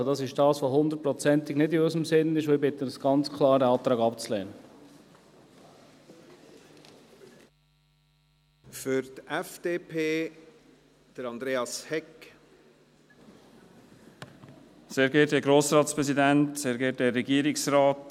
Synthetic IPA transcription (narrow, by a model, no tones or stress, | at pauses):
d̥ɑsɪʃd̥ɑːsʋoɦʊnd̪ət̚pɾɔt͡sɛnt̪ɪɡ̥nɪdiœzəmsɪnːɪʃoɪbɪt̪ənəsɡ̥ɑnt͡skʰlˠɑːɾdəɑːt̪ɾɑːɡɑpt͡slɛ̰ːnə | fʏɾt̪ɛfd̥eːpʰeː | d̥əɾɑnd̪ɾeːɑshɛk | seːɾɡɛːt̚dɛɡɾoːsɾɑːt̪spɾɛsidæntseːɾɡɛːt̚dɛrːɛɡiəɾɪksɾɑːt